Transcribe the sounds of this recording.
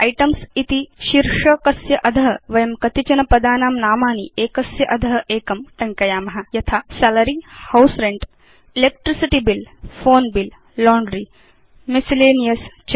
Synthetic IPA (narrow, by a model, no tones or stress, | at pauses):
ɐjʈɐmsit̪iʃiɾʂɐkɐsjɐʔɐd̪ʱɐɦɐʋɐjɐmkɐt̪it͡ʃɐnɐpɐd̪aːnaːmnaːmaːnieːkɐsjɐʔɐd̪ʱɐɦɐʔeːkɐmʈɐŋkɐjaːmɐɦɐ̆jɐt̪ʰaːsɛlɐɾihɐwsɾeɳʈ | ilek̚ʈɾisiʈibilfoːnbil | loːɳɖɾiː | misileːnijɐst͡ʃ